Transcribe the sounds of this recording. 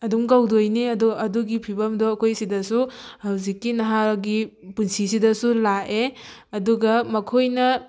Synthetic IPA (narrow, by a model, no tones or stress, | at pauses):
ɐduŋɡawdojniɐdɔʔɐduɡipʰibɐmdɔɐkʰojsidɐsuhɐwzikːinɐɦaɾɐɡipunsisidɐsulaʔeɐduɡɐmɐkʰojnɐ